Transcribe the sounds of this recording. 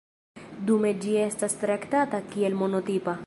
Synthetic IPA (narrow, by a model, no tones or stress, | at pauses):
d̪ume̞d͡ʒie̞stast̪ɾakt̪atakie̞lmo̞no̞t̪ipa